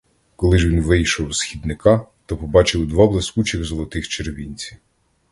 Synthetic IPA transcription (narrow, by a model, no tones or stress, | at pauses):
kɔlˠɪʒʋʲinʋɪjʃɔwsxʲid̪nɪkɑt̪ɔpɔbɑt͡ʃɪwd̪ʋɑblˠeskut͡ʃʲiɣzɔlˠɔt̪ɪxt͡ʃerʋʲinʲt͡sʲiw